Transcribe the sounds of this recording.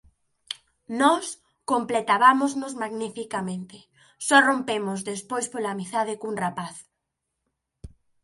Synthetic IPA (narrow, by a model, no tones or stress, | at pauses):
nɔs | komplet̪aβamʊznʊzmaɣnifikamẽnt̪ɪ | sɔrompemʊzðespojspolaːmiθað̞ɪkuŋrapaθ